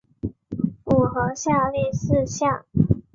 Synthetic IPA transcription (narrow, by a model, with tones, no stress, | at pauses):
u˨˩xɤ˧˥ɕja˥˧li˥˧sɹ̩˥˧ɕjɑ˥˩ŋ